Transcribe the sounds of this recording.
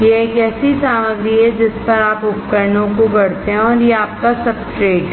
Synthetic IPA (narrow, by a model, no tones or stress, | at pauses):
jeeːkɛːsisaːməɡɾiɦɛd͡ʒɪspɐɾaːpʊpkəɾnõkobɐɽ̤t̪eɦɛ̃ɔːɾjeaːp̚kasɐb̚ʈɾeːɖ